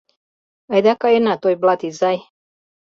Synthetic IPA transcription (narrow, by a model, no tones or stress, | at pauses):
ajd̪akaenat̪ojblat̪izaj